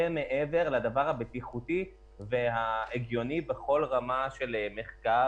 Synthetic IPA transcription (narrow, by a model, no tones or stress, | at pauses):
eme̞ʔeve̞ʁlad̪avaʁhabet̪iχut̪i | veɦaeɡjo̞nibeχo̞lʁamaʃe̞lme̞χka